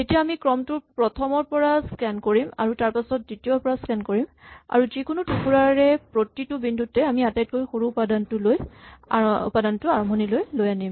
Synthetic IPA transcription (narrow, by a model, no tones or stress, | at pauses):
etijaːmikɹɔmtʊpɹɔtʰɔmɔɹpɔɹaskɛnkoɹima̰ɹutaɹpasɔt̚ditiɔɹpɔɹaskɛnkoɹima̰ɹuzikʊnutukuɹaɹɛpɹotitʊbindʱutːɛamiatajt̚kojxoɹuːpadantʊloj | ṵpadantʊaɹɔmbʱɔnilojlojanim